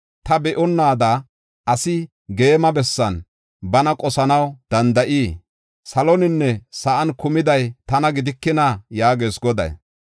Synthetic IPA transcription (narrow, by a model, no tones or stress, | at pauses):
t̪ɐbɛʔɔnːaːd̪a | ʔɐsɪ | ɡe̞ːmɐbɛsːɐn | bɐnɐkʼɔsɐnɐwd̪̥ɐnd̪ɐʔiː | sɐlɔnɪnːɛsɐʔɐnkʊmɪd̪ɐjt̪ɐnɐɡɪd̪ɪkːɪnɐjaːɡeːsɡɔd̪ɐ̰j